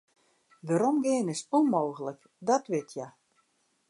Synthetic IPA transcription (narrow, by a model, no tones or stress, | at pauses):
ʋaɾomɡɪənɪsunmoːɣələk | dɔtʋɪtʰja